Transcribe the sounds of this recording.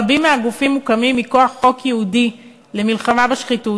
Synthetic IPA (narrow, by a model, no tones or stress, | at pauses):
bimːeaɡufimːukamimːiko̞aχːo̞kjeudi | le̞milχamabeʃχitu